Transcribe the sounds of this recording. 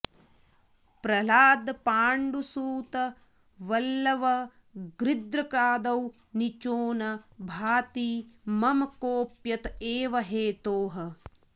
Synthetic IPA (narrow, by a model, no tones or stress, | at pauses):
pɾɐlaːd̪paːɳɖusuːt̪ɐ | ʋɐlːɐʋɐ | ɡɾid̪ɾɐkɾaːd̪ɐw | nit͡ʃoːnɐbʱaːt̪imɐmɐkoːpjɐt̪eːʋɐɦeːt̪oːɦɐ